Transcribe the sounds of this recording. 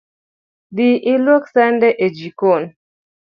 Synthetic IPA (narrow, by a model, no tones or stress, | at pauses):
ɗiʔiloksɛndɛʔed͡ʒikon